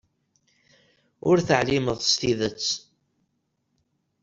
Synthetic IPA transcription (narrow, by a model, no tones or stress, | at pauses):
ʊɾθəʕliməðˤθə̥st̪iðət͡sː